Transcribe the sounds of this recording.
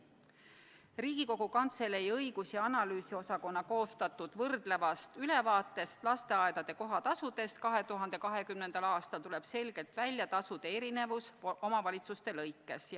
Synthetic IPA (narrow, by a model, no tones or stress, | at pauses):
riːɡ̥iko̞ɡ̥ukɑnt̪se̞lejɤjɡ̥usjɑɑnɑlyːsio̞sɑko̞nːɑko̞ːst̪ɑt̪ːˑud̪̥vɤrd̪le̞vɑst̪yle̞vɑːt̪ːˑe̞st̪lɑst̪e̞ɑed̪̥ɑd̪̥e̞ko̞ɦɑt̪ɑsud̪̥e̞st̪̚kɑɦe̞t̪uɦɑnd̪̥e̞kɑɦe̞kymnend̪̥ɑlɑːst̪ɑlt̪ule̞b̥se̞lɡ̥e̞lt̪vælʲjɑt̪ɑsud̪̥e̞eɾine̞vuso̞mɑvɑlʲit̪sust̪e̞lɤjkːˑe̞s